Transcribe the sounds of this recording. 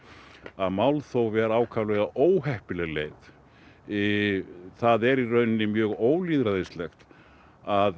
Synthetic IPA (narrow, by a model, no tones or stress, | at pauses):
aðmaːwlθowvɛːɾaːwkʰaːvlɛːɣaʔoːwɦɛhpɪlɛɣleːjð | ɪθaðɛɾirœɥnɪnɪmjœːɣoːwliːðɾaðɪst̪lɛxt̪ | að